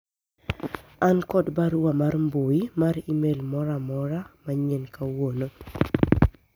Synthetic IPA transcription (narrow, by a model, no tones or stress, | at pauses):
ankɔdbaɾwamarmboimaɾimelmɔɾamɔɾamaɲɛnkawono